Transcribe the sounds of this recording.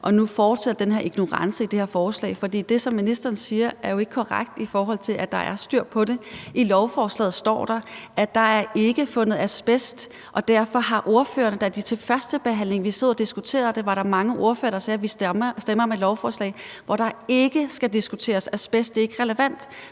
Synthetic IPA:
ʔɒ̽nufɒːd̥sed̥ɐd̥enɦe̝ɐiɡ̥no̝ʁɑ̈nsəid̥e̝heɐfɒːslɛ̰ːɪfɒ̽d̥ḭːd̥e̝sɒ̽mːinisd̥ɐɐːn̩siːɐæɐjo̝e̝ɡ̥əkʰɒʁaɡ̥̚d̥ifɒːɦɒ̽l̰t͡sʰe̝lʔæd̥ɑ̈ʔæɐsd̥yɐ̰pʰɒ̽ɾe̝ʔilɒʊfɒːslɛ̰ːð̩ˠsd̥ɒ̰ːd̥ɑ̈æd̥ɑ̈æɐe̝ɡ̥əfɔ̽nəð̞̩ˠæsb̥esd̥ | ʔɒ̽d̥æɐ̰fɒ̽ɦɑ̈ʔo̝ɐfø̰ːɐnəd̥ɑd̥it͡sʰe̝lfɶɐsd̥əb̥e̝ɦæn̰le̝ŋʋiseð̰ˠɐd̥isɡ̥ut͡sʰe̝̰ːɐðˠd̥e̝ʋɑ̈ɾɑ̈mɑ̈ŋəʔo̝ɐfø̰ːɐɾ̥ɑsɛːʋissd̥emɐɒ̽med̥lɒʊfɒːslɛ̰ɪʋɒɾ̥ɑ̈e̝ɡ̥əsɡ̥æd̥isɡ̥ut͡sʰe̝̰ːɐsæsb̥esd̥e̝ɐe̝ɡ̥əʁɛləʋæn̰d̥

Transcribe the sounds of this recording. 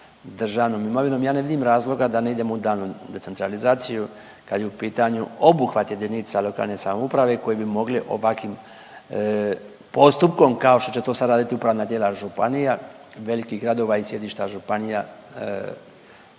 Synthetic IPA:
d̪r̩ʒaʋno̞ːmimo̞ʋino̞mjaːne̞ʋid̪imɾaːzlˠo̞ɡad̪ane̞id̪e̞moud̪aːlnud̪e̞se̞nt̪ɾalizaːt̪siju | kad̪jeupiːt̪aɲuo̞buxʋat̪je̞d̪inisalˠo̞ka̰ːlˠne̞samoupɾaʋe̞ko̞jebimo̞ɡliʔo̰ʋakʋim | po̞st̪up̚ko̞mkao̞ʃt̪o̞t͡ɕt͡ʃe̞t̪o̞ːsad̪ɾaːd̪it̪iupɾaːʋnaːd̪jeːlaʒupanija | ʋe̞likiɦɡɾad̪o̞ʋaisje̞d̪iʃt̪aʒupanija

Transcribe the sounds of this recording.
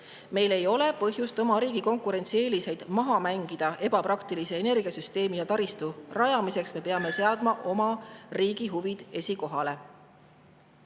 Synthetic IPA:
me̞jle̞jo̞le̞pɤɦjust̪o̞mɑɾiːɡ̥iko̞ŋkuɾe̞nʲt̪sie̞ːlise̞jd̪̥mɑɦɑmæŋɡ̥id̪̥ɑe̞b̥ɑprɑkt̪ilise̞ːne̞rɡ̥iɑsyst̪e̞ːmijɑt̪ɑɾist̪urɑjɑmise̞ksme̞pe̞ɑme̞se̞ɑd̪̥mɑʔo̞mɑriːɡ̥iɦuvid̪̥e̞sʲiko̞ɦɑle̞

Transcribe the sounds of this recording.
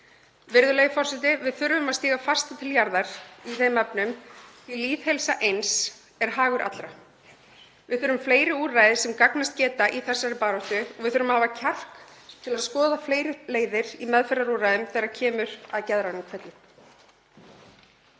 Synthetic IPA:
vɪɾðʏlejðfɔrsɛt̪ɪvɪðθʏɾvʏmaðst̪iːɣafast̪at̪ʰɪljaɾðaɾ̥iθejmɛpnʏm | iliːθhɛlsaʔejns | ɛɾ̥ɦaːɣʏɾʔa̰t̪lɾa | vɪðθʏɾʏmfleːjɾɪuːraːjðɪsɛmkaknast̪cɛːt̪aʔiθɛsːaɾɪpaːɾɔht̪ʏɔɣvɪðθʏɾʏmhaːvacʰar̥kt̪ʰɪlaðskɔːðafleːjɾɪleːjðɪɾimɛðfɛɾaɾuːrajðʏmθɛɾaɾcʰɛːmʏɾ̥aðcɛðɾanʏmkʰvɛt̪lɪ

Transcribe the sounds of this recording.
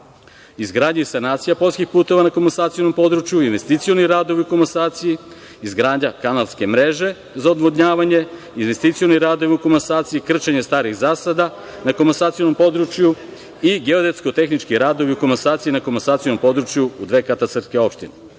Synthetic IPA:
izɡɾaːd̪ɲeisanaːt̪sijapo̞lʲskixpuːt̪o̞ʋanakomonsaːt̪ijonompo̞d̪ɾut͡ʃjuinʋe̞st̪it̪sijo̞niɾaːd̪o̞ʋiukomansaːt̪siji | izɡɾaːd̪ɲakanalske̞mɾe̞ʒe̞ | zaod̪ʋod̪ɲaːʋaɲe̞ | inʋe̞st̪it̪sijoniɾaːd̪o̞ʋiukomensaːt̪sijikr̩t͡ʃeɲest̪aːɾiɣzaːsad̪a | nakomansaːt̪sijonompo̞d̪ɾut͡ʃju | iɡeod̪et̪skot̪e̞xnit͡ʃkiɾaːd̪o̞ʋiukomansaːt̪sijinakomonsaːt̪ionompo̞d̪ɾut͡ʃjuːd̪ʋe̞ːkat̪at̪sr̩t̪skeo̞pʃt̪ine

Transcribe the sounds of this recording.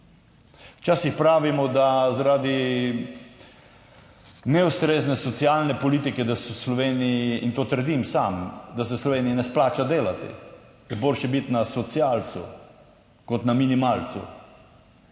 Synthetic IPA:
wt͡ʃaːsixpɾaːʋimɔd̪azaɾad̪i | nɛust̪ɾeːznɛsɔt̪sialnɛpɔliːt̪ikɛd̪asɔslɔʋeːniiint̪oːt̪əɾd̪imsamd̪asɛslɔʋeːnijinɛsplaːt͡ʃad̪eːlat̪ḭ | jɛboːlʃjɛbit̪nasɔt̪siaːlt̪su | kɔt̪naminimalt̪sṵ

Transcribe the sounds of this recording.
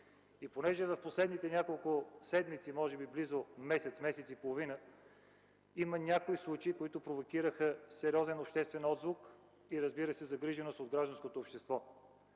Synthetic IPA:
iponɛʒɛvɐfposlɛd̪nit̪ɛnʲakolˠkʊsɛd̪mit̪simɔʒɛbiblizʊmɛsɛt̪smɛsɛt̪sipolˠovinə | imənʲakoislˠut͡ʃəikoit̪ʊpɾovokʲiɾəxəsɛɾʲiɔzɛnopʃt̪ɛst̪vɛnɔd̪zvʊk | iɾɐzbiɾəsɛzɐɡɾiʒɛnost̪od̪̚ɡɾaʒd̪ɐnskot̪oːpʃt̪ɛst̪vɔ

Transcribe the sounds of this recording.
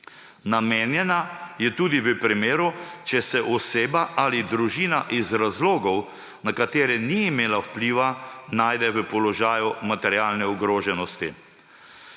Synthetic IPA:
nameːnjɛnajɛt̪uːd̪iʋəpɾimeːɾut͡ʃɛsɛʔɔseːbaʔalid̪ɾuʒiːnaʔizɾazloːɡɔw | nakat̪eːɾɛniːmeːlawpliːʋanaːjd̪ɛʋəpɔlɔʒaːjumat̪ɛɾjaːlnɛɔɡɾoːʒɛnɔst̪ḭ

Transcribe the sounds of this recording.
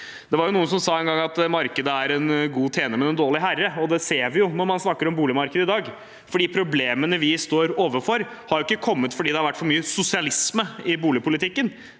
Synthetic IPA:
d̪̥ɛʋɑɾjʊnuːənsɔmsɑːɛnɡɑŋːɑt̪mɑɾkəd̪əæɾɛnɡuːt̪ʰeːnəɾmɛd̪ɛnd̪oːɭɪɦærːəɔd̪ɛseːʋɪjʊnɔɾmɑnsnɑkːəɾɔmbuːlɪmɑɾkəd̪əɪd̪ɑːɡ | fɔɖiːpʰɾʊbleːmənəʋɪst̪oːɾoːʋəfɔɾ | hɑɾjʊɪkːəkʰɔmːət̪fɔɖiːd̪ɛhɑɾʋæʈːfɔɾmyːəsʊsɪɑlɪsməɪbuːlɪpʰʊlɪt̪ʰɪkːən

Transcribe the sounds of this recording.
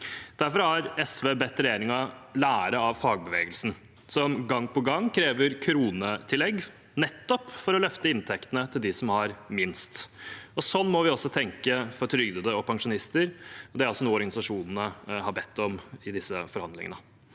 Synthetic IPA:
d̪̥æɾfɔɾɑɾɛsʋeːbɛt̪ːɾɛjeːɾɪŋɑlæːɾəɑʋfɑːɡ̚bəʋeːɡəlsn̩ | sɔmɡɑŋːpʰɔɡɑŋːkʰɾeːʋəɾkʰɾuːnət̪ʰɪlɛɡ | nɛt̪ːɔpfɔɾɔlœft̪əɪnt̪ʰɛkt̪ənət̪ʰɪld̪ɪsɔmhɑɾmɪnst̪ɔsɔnːmɔʋɪɔsːɔt̪ʰɛŋkəfɔɾt̪ʰɾʏɡd̪əd̪əɔpʰɑŋʂʊnɪst̪əɾɔd̪ɛæɾɑlsɔnuːəɔɾɡɑnɪsɑʂuːnnəhɑbɛt̪ʰːɔmɪd̪ɪsːəfɔɾhɑnd̪lɪ̰ŋə̰ə

